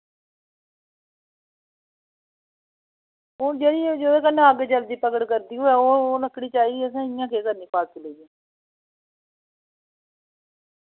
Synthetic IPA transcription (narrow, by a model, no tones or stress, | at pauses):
ʊd͡ʒeːɽiːd͡ʒed̪oːkənːẽːəɡt͡ʃəld̪iːpəkəʈkəɾd̪iːɦoːɛːoːləkʰːɽiːt͡ʃaːiːɡiːəs̬ãːɪjãːkeːkəɾniːpaːkkəleːd͡ʒẽː